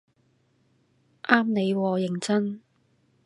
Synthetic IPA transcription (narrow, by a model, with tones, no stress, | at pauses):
ʔaː˥mne˨˧jwɔː˨˧jɪ˨˩ŋt͡sɐ˥n